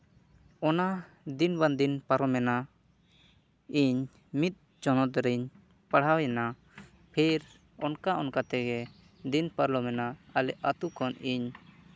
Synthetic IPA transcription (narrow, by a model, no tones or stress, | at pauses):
ɔna | d̪inband̪inpaɾɔmɛna | iɲ | mit̪̚ | d͡ʒɔnɔt̪ɾɛɲ | paɽ̤ɦawjɛna | pʰiɾ | ɔnkaʔɔnkat̪ɛɡɛ | d̪inpaɾlɔmɛnaːlɛʔat̪ukɔniɲ